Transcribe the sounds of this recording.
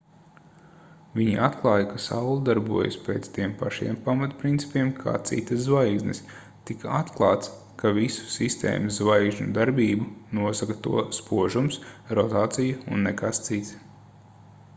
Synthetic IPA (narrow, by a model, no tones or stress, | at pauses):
vʲiɲiat̪klˠɑːjakasawlˠud̪aɾbṵɔja̰speːt̪st̪iɛmpaʃḭɛmpamat̪pɾint̪si̥pʲiɛmkʰa̰ːt̪sḭt̪ɐszvajɡznɨs | t̪ikaat̪klˠɑːt̪s | kavisu̥sist̪ḛːmɐzzvajɡʒnʲud̪aɾbʲiːbunuɔsakɐt̪ṵɔspuɔʒumsɾɔt̪aːt̪sijuṵnːekast̪sit̪s